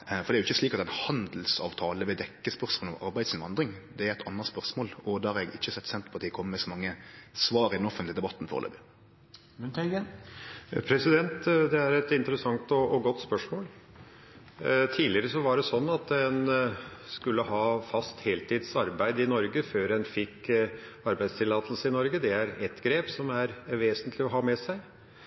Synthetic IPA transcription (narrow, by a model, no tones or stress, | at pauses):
fɔɾd̪ɛæɾʊɪçːəsliːkɑt̪ɛnhɑnd̪l̩sɑ̰ːʋt̪ʰɑːləʋɛd̪ɛkːəspœʁsmoːlɔʔɑɾbæɪ̥sɪnʋɑnd̪ɾɪŋd̪ɛæɾɛɪt̪ʰɑnːəʁspœʁsmoːlɔd̪ɑːhɑɾɛɡɪçːəsɛt̪ːsɛnt̪ɾəpɑt̪iːəkʰɔmːəmɛsɔmɑŋːəsʋɑːɾɪd̪ɛnɔfət̪lɪd̪ɛbɑt̪ːn̩fɔ̰ːʁ̰lḛːbə | mʉnɛɡə | pʰɾɛsɪd̪ɛnt̪d̪ɛæɾɛt̪ɪnt̪əɾəsɑŋt̪ɔɔɡɔt̪ːspœʂmoːl | t̪ʰiːlɪəɾəsɔʋɑɖɛsɔnːɑt̪ɛnskʉlːəhɑːfɑst̪heːlt̪ʰiːd̪sɑɾbæɪd̪ɪnɔɾɡəføːɾɛnfɪkː | ɑɾbæɪst̪ʰɪlɑːt̪l̩səɪnɔɾɡəd̪ɛæɾɛt̪ɡɾeːpsɔmæɾʋeːsənt̪ʰlɪɔɦɑːmɛsæɪ